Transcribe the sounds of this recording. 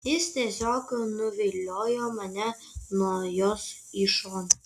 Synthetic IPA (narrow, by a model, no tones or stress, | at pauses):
jɪst̪ʲeɛsʲoːknʊʋʲilʲːoːjomɐnʲɛ | nuɔjoːs | iʃo